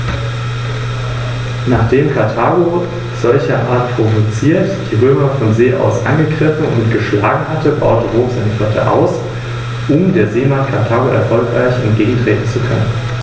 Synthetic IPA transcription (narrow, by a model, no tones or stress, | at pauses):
naːχd̥eːmkʰaɐtʰaːɡo | z̥ɔlçɐʔaːɐtpʁ̥ovot͡siːɐtd̥iːʁøːmɐfɔnzeːʔa̰ʊsʔa̰nɡəɡʁɪfn̩ʊ̰ntɡ̥əʃlaːɡŋ̩hatʰəba̰ʊtəʁoːmsɛ̰nfɛtʰə̰ʔa̰ʊs | ʔʊmdeːɐzeːmantkʰaɐtʰaːɡoʔɛ̰ɐfɔlkʁ̥aɪçɛ̰nt̚ɡ̥eːɡŋ̩tʁ̥eːtn̩t͡sukʰœ̰nən